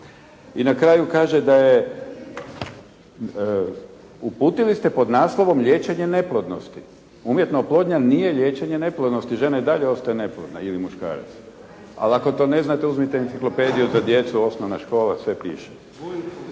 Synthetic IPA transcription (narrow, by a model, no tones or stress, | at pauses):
inakɾaːjukaːʒed̪aje | upuːt̪ilist̪e̞po̞d̪naːslˠo̞ʋo̞mʎʲe̞ːt͡ʃeɲe̞ne̞plˠod̪no̰st̪i | umjet̪noplˠo̞d̪ɲanije̞ʎe̞ːt͡ʃeɲene̞plˠod̪nost̪iʒe̞naid̪aʎeo̞st̪ajene̞plˠod̪nailimuʃka̰ːɾa̰t̪s | a̰lako̞t̪o̞ne̞znat̪euzmit̪eint̪siklo̞ped̪ijuzad̪je̞t̪suo̞snoʋnaʃko̞ːlasʋe̞pḭːʃe̥